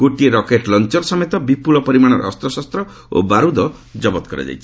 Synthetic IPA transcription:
ɡ̥oʈieɾɔkeʈlɔnt͡ʃɔɾɔsɔmet̪ɔbipulɔpɔɾimaɽ̃ɔɾɔ̰ɔ̰st̪ɾɔsast̪ɾɔ | o̰baɾud̪ɔ | d͡ʒɔbɔt̪kɔɾḛd͡ʒa̰jt͡ʃʰi̥

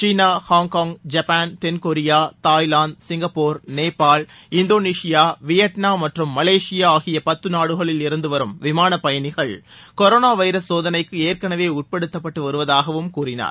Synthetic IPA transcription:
t͡ʃiːnaːhaːŋkaːŋɡd͡ʒɐpaːnt̪ɛnkoɾɪjaːt̪aːjlaːnɖsɪŋɡɐpːoːɾneːpːaːl | ɪnd̪oːniːʂɪjaːʋɪjɐʈnaːmɐʈrɯmːɐleːʂɪjaaːɣɪjɐpɐt̪ːɯnaːɽɯɣɐɭɪlɪɾɯnd̪ɯʋɐɾɯmʋɪmaːnɐpɐjɐnɪɣɐɭkɔɾoːnaːʋɐɪɾɐsːoːðɐnɐɪkːɯeːɾkɐnɐʋeːʊʈ̚pɛɽɯt̪ːɐpːɐʈːɯʋɐɾɯʋɐðaːɣɐʋɯmkuːrɪna̰ːɾ

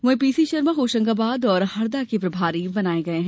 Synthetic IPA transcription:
ʋɐ̃piːsiʃɐɾmãɦoːʃə̃ŋɡabaːd̪ɔːɾhɐɾd̪akepɾɐbʱaːɾibɐnaːeɡɐeɦɛ̃

